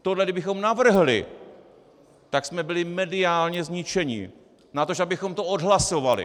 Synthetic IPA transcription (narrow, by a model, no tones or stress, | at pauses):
t̪odlɛɡdɪbɪxo̞mnavr̩ɦlɪ̰ | t̪aksmɛbɪlɪmɛdɪaːlɲɛzɲɪt͡ʃɛɲɪ̰ | nat̪oʒabɪxo̞mt̪oodɦlaso̞valɪ̰